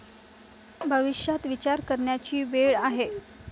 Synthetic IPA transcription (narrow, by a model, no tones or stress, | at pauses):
bʱəʋiʂjat̪ʋit͡ɕaɾkəɾɳjat͡ɕiːʋeɭaɦe